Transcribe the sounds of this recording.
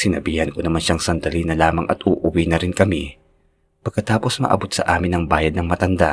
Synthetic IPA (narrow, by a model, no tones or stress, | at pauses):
sɪnɐbiːhɐnkonɐmanʃaŋsɐnd̪ɐlinɐlaːmɐŋʔɐ̰t̪ʔuːʔʊwinɐɾɪnkɐmi | pɐɡ̚kːɐt̪aːpo̞smɐ̰ʔɐ̰bo̞t̪̚sɐ̰ʔaːmɪnɐŋbaːjɐd̪nɐŋmɐt̪ɐnd̪a